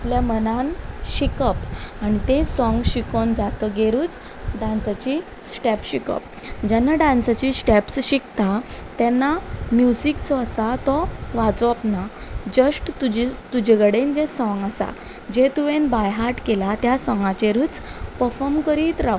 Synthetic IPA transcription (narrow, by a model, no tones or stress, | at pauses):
apljamənanɕikəpañit̪ẽsɔ̃ŋɡɕikond͡zat̪əɡeɾuːt͡s | ɖãnsat͡ɕi | sʈɛpɕikə̰p̚ | d͡ʑɛnːaɖãnsat͡ɕisʈɛpsɕikt̪at̪ɛnːamjusikt͡sɔːsat̪ɔʋad͡zɔapnad͡ʑəʂʈt̪ud͡ʑit̪ud͡ʑeɡəɽend͡ʑesɔ̃ŋɡasa̰ | d͡ʑet̪uʋenbajɦaɾʈkelat̪jasɔ̃ŋɡãt͡ɕeɾut͡spəɾfɔmkəɾiːt̪ɾa